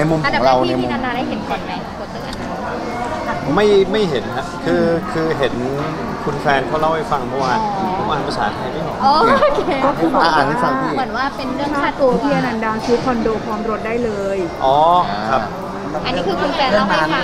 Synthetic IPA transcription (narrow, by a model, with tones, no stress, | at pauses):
na˧jmu˧mʰː˧˨˦ɾa˧wna˧i˥na˧naː˧da˥˩hɦe˨˩˦nkʰɔ˨˩nma˧˩˧u˨˩t̪sɯː˨˩ʔa˧ | ma˥˩jma˥˩jɦe˩˦na˦˥kʰɯː˧kʰɯː˧ɦe˨˩˦n | kʰu˧nfɛː˧nkɔː˥˩la˥˩wha˥˩fa˧ŋ˩pʰɔ˥˩waː˥˩pʰo˨˦ma˧a˧˩pa˧sa̰ː˩˦t̪ʰa˧˩jda˥˩nɔ˨˩ɔː˧˦kɔː˥˩kʰɯː˧bɔː˨a˩˧ʔi˦˥fa˧˩iː˥˧mɯ˨˩˦ənwaː˥˩pe˧nɾɯ˥˩ə˨kʰa˥aː˥˩t̪u˧ɐ˧t̪ʰiː˥˩ʔa˧na˧ndaː˧t͡ɕʰuː˦˥t̚kʰɔ˧ndoː˧pʰɔː˨˦˥mɾo˦˥t̪̚daː˥˩jlɤː˧jʔɔː˨˦kʰa˦˥˦ | ʔa˧nːiː˦˥kʰɯː˧kʰu˧nfɛː˧nla˧˩ma˥˩a˥˩